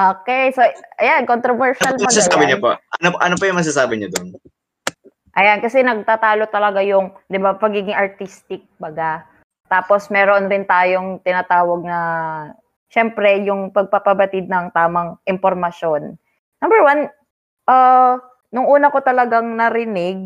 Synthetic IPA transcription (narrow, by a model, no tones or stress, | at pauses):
ʔoːkɛjsoʔɐjankont̪ɾovɛɹʃalmɐɡaɐsaːbɪɲopo̰ʔɐnopʔɐnopɐjʊŋmɐɡsaːsaːbɪɲod̪on | ʔɐjankɐsɛnɐɡ̚t̪aːt̪aːlot̪ɐlɐɡajʊŋd̪ɪbapɐɡiːɡɪŋɐɹt̪ist̪ɪk̚bɐɡa | t̪aːpo̞smɛːɾoʔnɾɪnt̪aːjoŋt̪ɪnɐt̪aːwɐɡ̚nɐ | ʃɛmpɾɛjʊŋpɐɡ̚pɐpɐbɐt̪ɪd̪̚nɐŋt̪aːmɐŋʔɪmpoɾmɐʃo̞n | nɐmbɛɹwan | ʔɐː | nʊŋʔuːnɐko̞t̪ɐlɐɡaŋnɐɾɪnɪɡ̚